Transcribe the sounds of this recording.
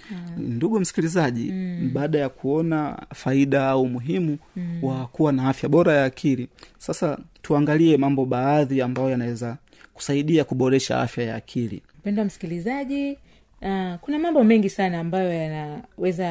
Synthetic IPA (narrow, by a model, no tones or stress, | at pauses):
nduɠum̩si̥kilizaʄḭɓaːɗajakʰuɔnafaiɗaaumuɦimuwakuwanaafjaɓɔɾajaːkʰilisasatuaŋɡaliɛmambɔɓaːðiambajɔjanawɛza | ku̥saiɗiakuɓɔɾɛʃa̰a̰fjaja̰ːkʰilḭm̩pɛndwam̩si̥kilizaʄi | akunamambɔmɛŋɡisanaːmbajɔjanawɛza